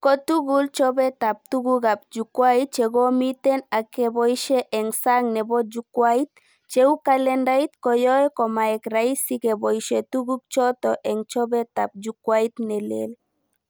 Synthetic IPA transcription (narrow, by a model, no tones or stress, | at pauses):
kot̪uɣult͡ʃɔβet̪ap̚t̪uɡuɡap̚d͡ʒukwajt͡ʃeɡomit̪enakeβojʃeʔeŋsaŋneβod͡ʒukwajt̪̚ | t͡ʃewkalendajt̪kojoekomaekɾajsikebojʃet̪uɡuk̚t͡ʃot̪oʔeŋt͡ʃoβet̪ap̚d͡ʒukwajt̪nelḛl